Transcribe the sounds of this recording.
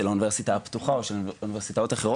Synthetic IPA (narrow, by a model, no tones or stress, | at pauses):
eluniveʁsit̪aapt̪uχao̞ʃeluniveʁsit̪ao̞t̪aχeʁo